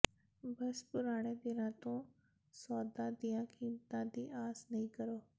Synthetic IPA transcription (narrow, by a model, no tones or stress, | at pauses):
bɐspʊɾaːɽ̃ed̪ɪɾãːt̪õː | sɔːd̪ãːd̪ijãkʰiːmt̪ãd̪iːʔaːsnɐĩːkɐɾoː